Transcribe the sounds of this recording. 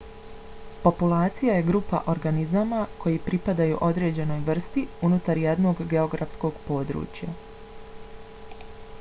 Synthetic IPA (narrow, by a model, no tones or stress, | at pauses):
po̞pulˠaːt̪sijaje̞ɡɾuːpa̰ʔo̞ɾɡanizamakʰo̞jipɾipad̪ajuʔo̞d̪ɾe̞ːd͡ʑe̞no̞jʋr̩st̪iunut̪aɾjed̪no̞ɡːe̞o̞ɡɾafsko̞ɡpo̞ːd̪ɾṵːt͡ɕja